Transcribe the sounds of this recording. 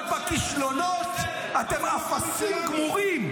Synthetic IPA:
tvakiʃlonot̪ | at̪emafasiɡmuʁim

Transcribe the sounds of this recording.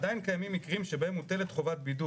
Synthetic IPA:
dajinkajamimːikʁimʃebahe̞mut̪e̞le̞t̪χo̞vat̪̚bidu

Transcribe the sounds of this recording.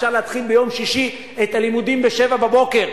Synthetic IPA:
ʃaʁlehat̪χilbejo̞mʃiʃi | etalimud̪imbeʃe̞vababo̞ke̞ʁ

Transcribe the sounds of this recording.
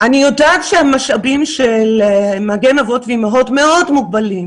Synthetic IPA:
anijo̞daːtʃeamaʃabimʃelemaɡenavo̞tviimaɦo̞tme̞o̞dmuɡ̚balim

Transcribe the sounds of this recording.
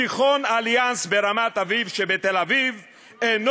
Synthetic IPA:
iχonaljansbeʁamat̪avivʃebet̪elaviv | en

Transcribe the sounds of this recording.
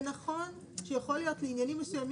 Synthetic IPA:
naχo̞n | ʃejaχo̞lijo̞t̪leinjanimːesujam

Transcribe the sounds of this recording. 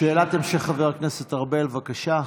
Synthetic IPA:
ʃeːlat̪emʃeχaveʁkneset̪aʁbelvakaʃa

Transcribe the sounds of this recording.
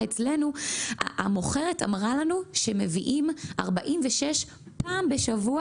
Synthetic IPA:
et͡sle̞nu | amoχe̞ʁeta̰mʁalanuʃeme̞viʔimʔa̰ʁbaʔimveʃeʃ | paːmbeʃavua

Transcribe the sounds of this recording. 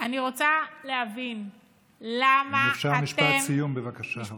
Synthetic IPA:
aniʁot͡salehavin | lamafʃaʁmiʃpasijumbevakaʃa

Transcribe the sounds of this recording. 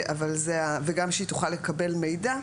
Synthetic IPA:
avalzeaveɡamʃeit̪uχalekɐbe̞lme̞jda

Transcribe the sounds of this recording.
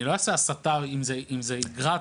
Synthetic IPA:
iloaseasat̪avimzeʔimzeiɡʁa

